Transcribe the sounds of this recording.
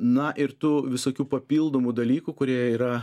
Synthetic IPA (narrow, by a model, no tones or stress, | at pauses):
nɐʔɪɾt̪uʋʲɪsoːkʲuːpɐpʲiːlˠd̪oːmud̪ɐlʲiːkukʊɾʲiɛjiːɾɐ